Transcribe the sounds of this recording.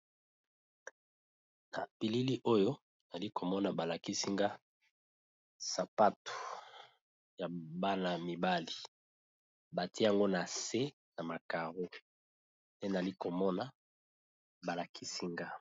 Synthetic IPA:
na̰˨pi˨li˦li˦ʔo˦jo˦ | na˨li˦ko˨mɔ˦na˨ba˨la˨ki˦si˦ŋɡa˦ | sa˨pa˦to̥˨ | ja˨ba˦na˨mi˨ba˦li˨ | ba˨ti˦a˨ŋɡo˦na˨se˦ | na˨ma˨ka˨ʁo˦ | ne˦na˨li˦ko˨mɔ˦na˨ | ba˨la˨kʰi˦si˦ŋɡa˦

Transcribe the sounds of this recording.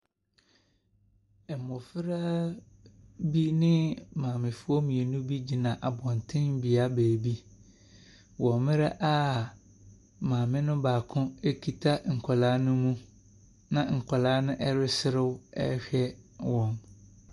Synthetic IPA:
ɛ˨mɔ˨fɪ˦ɾa˦ | bi˦nɪ̃˦mãː˨mɪ̃˨fʊ˦ɔ˦mĩ˨e˨nũ˦bi˦d͡ʑi˨nã˨ʔa˨bɔ̃˨ntʰɪ̃˦n˦bi˨a˦bæː˨bi˦ | wɔ̃˨mɪ̃˦ɾa˦ʔa˦ | mãː˨mɪ̃˦nʊ̃˦baː˨kʰʊ̃˦e˦kʰi˨tʰa˦ŋ̩˨kʰa˨laː˨˦nʊ̃˦mũ˦ | nã˨ŋ̩˨kʷʰa˨la˦nʊ̃˦ʔɛ˦ɾɪ˦sɪ˦ɾɪ˦wɛ̰˦ɕᶣɛ˦wɔ̃˨m

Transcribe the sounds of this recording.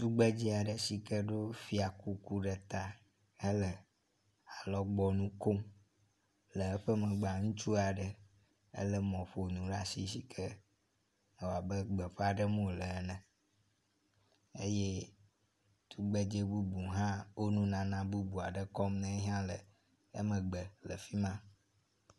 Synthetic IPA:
t̪u˦ɡ͡be˦d͡ʒɛ˦a˨ɖə˨si˨kə˦ɖo˦fi˦a˨ku˦ku˦ɖə˨t̪a˦ | ə˦lə˨ | a˨lɔ˦ɡ͡bɔ˦nũ˦ko˦m | lə˨ɛ˦ɸə˦mə̃˨ɡ͡ba˨ŋũ˦t͡ʃu˦a˨ɖə˨ | ə̰˦lə˦mɔ̃˨ɸo˨nũ˨ɖa˦si˦si˨kʰə˦ | e˨wa˨bə˦ɡ͡bə˨ɸe˦a˨ɖə˦mõ˦lə˨˦nɛ̃˨ | ḛ˦je˦ | t̪ʰu˦ɡ͡be˦d͡ʒe˦bu˦bu˨ɦã˦wo˦nũ˦nã˨nã˦bu˦bu˨a˨ɖə˨kɔ˦mnɛ̃˦ɦã˦lə˨ | ə˦mə̃˨ɡ͡bə˨lə̰˨fi˦mã˦

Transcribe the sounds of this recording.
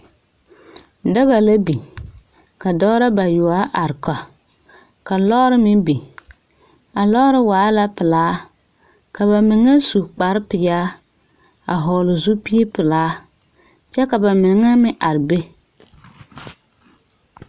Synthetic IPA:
da˦ɣa˨la˦bi˨ | ka˨dɔː˦ɾa˦ba˨jʊ˨a˦ʔa˨ɾka˨ | ka˨lɔ˦ɾɪ˦mɪ˦bi˨ | a˨lɔ˦ɾɪ˦waː˨˦la˦pɪ˨laː˦ | ka˨ba˨mɪ˨ŋa˦su˨k͡pa˨ɾɪ˦pɪ˨jaː˦ | a˨ɦɔː˨lʊ˨zu˦pi˦e˦pɪ˨laː˨˦ | t͡ʃɛ˦ka˨ba˨mɪ˨ŋa˦mɪ˦ʔa˨ɾɪ˨be˦

